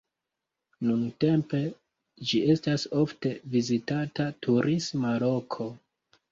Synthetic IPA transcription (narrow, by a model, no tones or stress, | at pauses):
nunte̞mpe̞ | d͡ʒiʔe̞staso̞fte̞vizitatatʰuɾʔismalo̞kʰo̞